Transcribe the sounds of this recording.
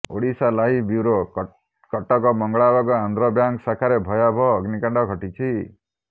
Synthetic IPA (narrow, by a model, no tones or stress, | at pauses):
o̰ɽisalaɦibiwɾo | kɔʈɔkɔmɔŋɡɭabaɡɔand̪ɾɔbjaŋksakʰaɾebʱɔjabʱɔːɡnikaɳɖɔɡʱɔʈit͡ʃʰi